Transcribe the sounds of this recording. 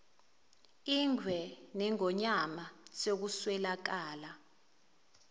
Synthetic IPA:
iŋʱwɛnɛŋɔɲamasok̬uswɛlak̬aːla

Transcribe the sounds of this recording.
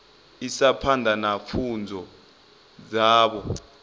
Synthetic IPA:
isapʰandʱanafund͡zʱɔ | d͡zaːɓɔ

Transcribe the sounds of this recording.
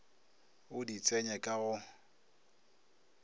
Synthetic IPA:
ʊdit͡sʼɛɲɛkʼaɣʊ

